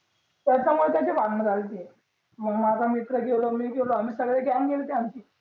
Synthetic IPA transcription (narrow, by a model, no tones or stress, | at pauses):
t̪jat͡ɕamuɭet̪jat͡ɕiʋaɡnəd͡zʱalt̪i | məɡmakamikɾəɡelomiːɡeloamiːsəɡɽeɡaŋɡelt̪jant͡ɕiː